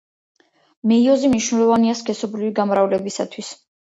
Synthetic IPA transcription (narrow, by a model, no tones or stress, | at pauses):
mɛiɔzimniʃwnɛlˠɔvaniaskʰɛsɔbɾiviɡamɾavlɛbisa̰t̪ʰwis